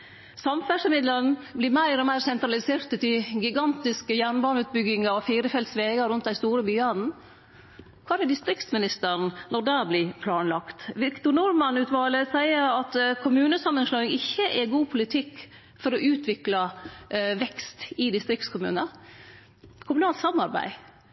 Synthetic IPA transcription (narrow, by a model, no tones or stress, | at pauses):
sɑmfæʂəmɪd̪lənblɪːɾmæɪɾɔmæɪɾsɛnt̪ɾɑlɪseːɾt̪ət̪ɪɡɪɡɑnt̪ɪskəjæːɳbɑːɳʉːt̪̚bʏɡɪŋɑɔfiːɾəfɛlt̪sʋeːɡɑɾʊnt̪d̪æɪst̪uːɾəbyːɑd̪n̩ | kʰɑːɛɖɪst̪ɾɪkt̪smɪnɪst̪əɾn̩nɔd̪æːɾblɪpʰlɑːnlɑkt̪ʋɪkt̪ʊnʊɾmɑnʉːt̪ʋɑːləsæɪəɾɑt̪kʰʊmʉːnəsɑmːənslœːɪŋɪçːəʔɛɡuːpʰʊlɪt̪ʰɪkː | fɔɾɔʔʉːt̪ʰʋɪklɑ | ʋɛkst̪ɪd̪ɪst̪ɾɪkt̪skʰʊmʉ̰ːnə | kʰʊmʉnɑːlt̪sɑmɑɾbæ̰ɪ